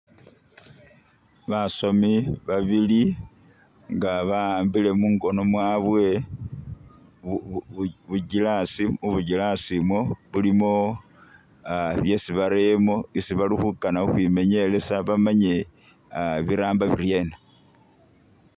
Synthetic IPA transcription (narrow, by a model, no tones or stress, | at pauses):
βasomiβaβili | ŋɡaβambile̞muːŋɡo̞no̞mwaːβwe̞ | βuɟilasiuβuɟilasimwoβulimo̞ | βje̞siβaɾemo̞isiβalixukanauxwiːme̞ɲe̞le̞saβamaɲe̞ | βiɾaːmbaβiɾje̞na